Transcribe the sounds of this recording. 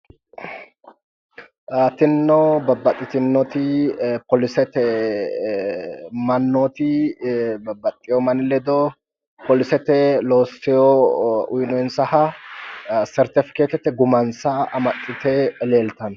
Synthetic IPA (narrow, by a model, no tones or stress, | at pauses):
t̪ɪnːɔbɐbːɐt̪ʼːɪt̪ɪnːɔt̪ɪpɔlɪsɛt̪ɛ | mɐnːot̪ɪ | bɐbːɐt̪ʼːɪjɔmɐnɪlɛd̪ɔ | pɔlɪsɛt̪ɛloːsːɪjɔʊjnɔjɪnsɐhɐ | sɛɾt̪ɪfɪ̥keːt̪ɛt̪ːɛɡʊmɐnsɐɐmɐt̪ʼːɪt̪ɛleːlt̪ɐn